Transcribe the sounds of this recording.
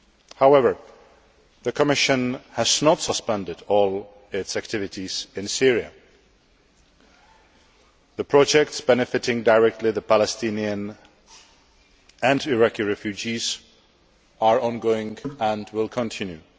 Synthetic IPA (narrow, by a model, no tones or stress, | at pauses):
haʊɛvə˞ | ðɨkʰəmɪʃɨ̃nhəznətsəspɛ̃ndɨdɔlˠ | ɪtsæk̚tʰɪvɨɾiz̥ɪ̃nsɪɹiɨ̰ | ðəpʰɹ̥ɑd͡ʒɛk̚tsb̥ɛnɨfɨɾɪ̃ŋdəɹɛk̚tʰˡliðəpʰælˠɛstĩniɨ̃n | ɨ̃ndɪɹakiɹɛfjʉd͡ʒiz | ʔəɹɔ̃nɡoʊɪ̃ŋə̃ndwɪlˠkʰə̃ntʰɪ̃njʉ